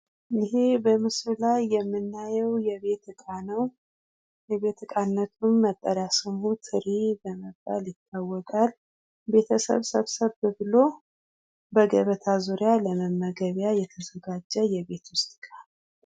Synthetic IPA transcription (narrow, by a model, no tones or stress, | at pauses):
ɪɦebəmɨsllajːɛmːɨnːajɛwjɛβe̞t̪kʼanəw | jɛβe̞t̪kʼanːət̪ʰumːət̪ʼːəɾasɨmhut̪ʰɨɾibəməba̰ljɪt̪ʰːawːɔkʼal | be̞t̪ʰəsə̰βsə̰βsəβbəβɨlo | bəɡəβət̪ʰazuɾjaləməmːəɡəβjajɛt̪ʰəzəɡad͡ʒːɛjɛβe̞t̪wʊst̪ʼkʼan